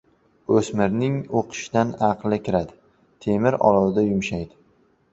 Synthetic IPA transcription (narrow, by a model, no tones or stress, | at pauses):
ɵsmɪɾnɪŋoqʰɨ̥ʃd̪anɑqlɪkʲɪɾad̪ɪ | t̪ʰemɪɾɒ̰lˠɒwd̪ajʊmʃajd̪ɪ